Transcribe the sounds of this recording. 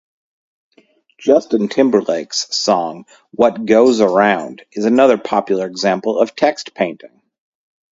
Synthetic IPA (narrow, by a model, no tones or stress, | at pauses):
d̥ʒ̥ʌstɨ̃ntʰɪ̃mbə˞leɪkssɔ̃ŋ | wʌt̚ɡ̥oʊzə˞ãʊ̃ndɨzɨnʌðə˞pʰɑpjl̩ˠə˞ɨɡzæ̃mpl̩ˠʌv̥tʰɛkstpʰẽɪ̃ntɪ̰̃ŋ